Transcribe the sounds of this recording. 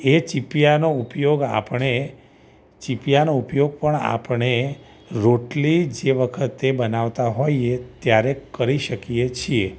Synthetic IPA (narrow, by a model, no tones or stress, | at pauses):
et͡ʃipijanoupjoɡa̰pɳe | t͡ʃipijanoupjoɡ̚pəɳa̰pɳe | ɾoʈlid͡ʒeʋəkʰət̪ːebənaʋt̪aɦojet̪jaɾekəɾiʃəkiet͡ʃʰie